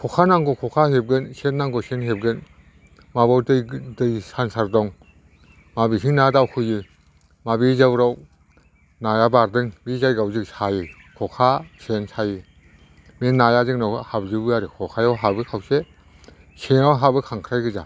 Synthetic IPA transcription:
kʰɔkʰanaŋɡɔkʰɔkʰahep̚ɡɯnsenːaŋɡɔsenɦep̚ɡɯn | mabawdɯdɯjsansaɾdɔŋ | mabisʰiŋnadawkʰɯjɯ | mabizawɾaw | najabaɾdɯŋbizajɡawzɯksajɯ | kʰɔkʰasensʰajɯ | menːajazɯŋnawhab̚zɯbɯaɾɯkʰɔkʰajawɦabɯkʰawse | senawɦabɯkʰaŋkʰɾajɡɯza̰

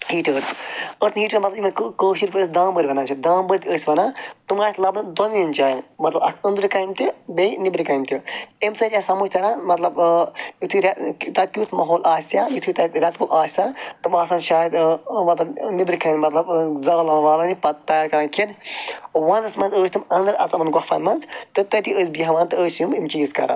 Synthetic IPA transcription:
hiːʈəːɾzəɾt̪nɦiːʈəɾmɐt̪lɐbiʋɐnkkəːʃiɾpɨsd̪ãːmbəɾʲiʋɐnãːt͡ʃʰɐd̪ãːmbəɾʲit̪ʰʲəsʲʋɐnaːt̪umaːt̪lɐbd̪onint͡ʃaːnmɐt̪lɐbɐkʰə̃nd̪ɾkɐːimt̪ibenibɾikɐimt̪ʰʲiemsɐt͡ʃʲaːsɐmuːʃʲt̪ʰɐɾãːmɐt̪lɐbit̪ʰuɾʲɐt̪ɐd̪̚kʲuːt̪ʰmɐɦoːlʲʔaːsʲt̪ʲjaːjit̪ʰut̪ɐt̪ɾʲɐt̪kʰulʔaːsʲt̪at̪ɨmaːsaːnʃaːjəd̪mɐt̪lɐbnibɾikɐnmɐt̪lɐbzɐɾɐlɐʋaːlanipɐt̪ɐjaːɾkɐɾãnkʰid̪ | ʋɐnɐsmɐnzəːst̪umɐnd̪ɨɾɐ̰zɐbɨnɡɔfɐ̰nmɐnzt̪ɨt̪ɐt̪iəːsʲbiɦɐʋaːnt̪ɨəːsjumimt͡ʃiːzkɐ̰ɾa̰

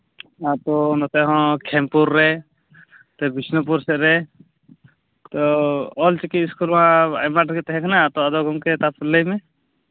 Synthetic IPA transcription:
at̪ɔnɔt̪ɛɦɔ̃kʰɛmpuɾːɛ | t̪ɛbisnɔpuɾsɛʔ̪ɾɛ | t̪ɔɔlt͡ʃikit̪̚iskulwãa̰jmaʈkɛt̪ɛɦɛ̃kʰnat̪ɔad̪ɔɡɔmkɛt̪apʰulːəjmɛ

